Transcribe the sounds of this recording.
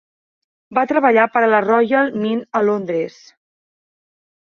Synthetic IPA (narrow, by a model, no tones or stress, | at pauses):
bat̪ɾəβəʎapəɾələrɔjəlˠminəlond̪ɾes